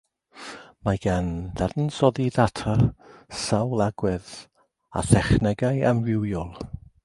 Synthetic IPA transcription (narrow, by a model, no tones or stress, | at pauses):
maɡ̥anðɛdn̩sɔðiðatʰasawlˠaɡwɪð | a̰θɛχnɛɡajəmrɪwjɔlˠ